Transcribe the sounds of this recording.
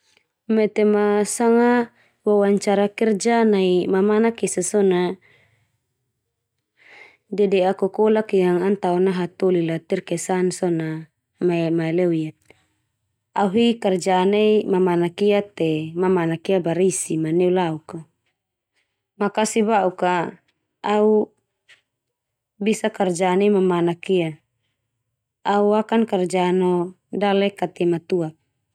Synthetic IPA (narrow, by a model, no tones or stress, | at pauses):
mɛt̪emasaŋa | wawaɲt͡ʃaɾakɛrd͡ʒanaimamanakisasɔna | dɛdɛakɔkɔlakijaŋant̪aunaɦat̪olilat̪irkɛsansɔna | maɛmaɛlɛuijat̪̚ | auɦikɛrd͡ʒaneimamanakiat̪ɛmamanakiabaɾisimanɛulauka | makasibauka | au | bisakard͡ʒaneimamanakia | auakankard͡ʒanɔ | dalɛkat̪ɛmat̪uap̚